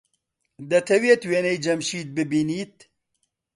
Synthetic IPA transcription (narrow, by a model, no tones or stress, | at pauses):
d̪ɐt̪ʰɐwiet̪weːnejd͡ʒɐmʃiːd̪̚bɨbiːniːt̪̚